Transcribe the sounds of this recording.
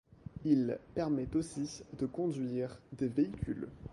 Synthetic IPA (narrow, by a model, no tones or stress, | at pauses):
ilpɛʁmɛt̪osid̪əkɔ̃d̪ɥiʁd̪eveikʲʰy̰l